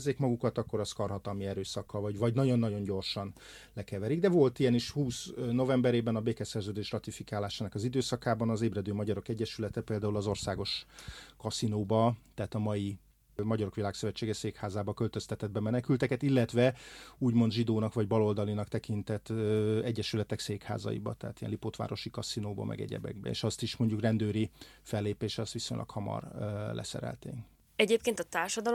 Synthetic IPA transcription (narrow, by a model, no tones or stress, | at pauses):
zeːkmɒɡukɒt̪ɒkːo̞ɾɒskɒrɦɒt̪ɒlmiɛɾøːsɒkːɒlvɒɟvɒɟnɒɟo̞nːɒɟo̞ɲɟo̞rʃɒn | lɛkɛvɛɾiɡd̪ɛvo̞lt̪iɛniʃhuːsno̞vɛmbɛɾeːbɛnɒbeːkɛsɛrzøːd̪eːʃrɒt̪ifikaːlaːʃaːnɒkɒzid̪øːsɒkaːbɒnɒzeːbrɛd̪øːmɒɟɒɾo̞kɛɟːɛʃylɛt̪ɛpeːld̪aːulɒzo̞rsaːɡo̞ʃkɒsinoːbɒt̪ɛɦaːt̪ɒmɒji | mɒɟɒɾo̞kʋilaːksøvɛt͡ʃːeːɡɛseːkhaːzaːbɒkø̞lt̪ø̞st̪ɛt̪ɛd̪̚bɛmɛnɛkylt̪ɛkɛt̪ilːɛt̪ʋɛuːɟmo̞nd̪ʒid̪oːnɒkʋɒɟbɒlo̞ld̪ɒlinɒkt̪ɛkint̪ɛt̪ːɛɟːɛʃylɛt̪ɛkseːkha̰ːzɒ̰jḭbɒ̰t̪ɛɦat̪ijɛnlipot̪ʋa̰ːɾo̞ʃikɒsinoːbɒ̰mʔɛ̰ɡɛ̰ɟɛ̰bɛ̰ɡ̚bɛ̰ḛːʃɒst̪iʃmo̞ɲɟukrɛnd̪øːɾifɛlːeːpeːʃɛɒst̪ʋisoɲlʔɒ̰khɒmɒ̰rlɛ̰sɛ̰ɾɛ̰lt̪ḛːŋ | ɛɟeːpkeːnt̪ɒt̪aːrʃɒd̪ɒl